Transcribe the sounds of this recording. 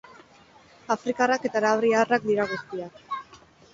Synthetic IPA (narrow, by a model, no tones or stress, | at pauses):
afɾikarake̞t̪aɾaβɾiarak̚d̪iɾaɣ̞ust̪iak